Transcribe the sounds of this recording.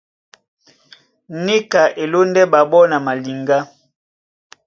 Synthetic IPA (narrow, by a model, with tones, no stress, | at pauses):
ne˦ka˨ʔe˨lo˦ndɛ˦ba˨bɔ˦na˨ma˨li˨ŋɡa˦